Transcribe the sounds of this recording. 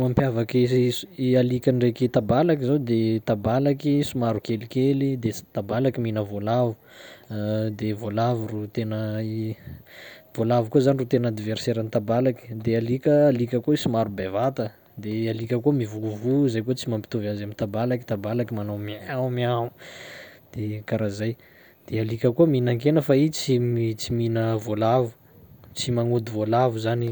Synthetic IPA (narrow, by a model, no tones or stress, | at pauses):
mampjavaki | alikʲaɳɖ͡ʐekit̪abalakizawd̪et̪abalakisumaɾukelikelid̪est̪abalakiminəvolavu | d̪evolavurut̪enəi | v̥olavukozanirut̪enad̪iveɾseɾanit̪abalaki̥d̪ealikʲəːlikʲəkoisimaɾubevat̪ə | d̪ealikʲəkumivuvuzajkut͡simampit̪uvazamit̪abalaki̥t̪abalakimanomiaumiau | d̪̥ekaɾazaj | d̪̥ealikʲəkuminaŋkenəfait͡simit͡siminəvolavu̥ | t͡simaŋud̪ivolavuzani